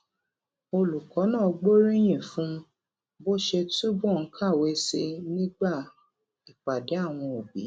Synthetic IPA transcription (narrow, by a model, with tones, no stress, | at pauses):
o˧lu˨kɔ˨˦nãː˦˨˧ɡ͡bo˦ɾi˦j̃ĩ˦˨fũ˦ | bo˦ʃe˧tu˦bɔ̃˦˨˦kʰa˦˨we˨˦se˧nĩ˦ɡ͡ba˦˨ | i˨k͡pa˨de˨˦a˦˨w̃ɔ̃˧o˨bḭ˨˦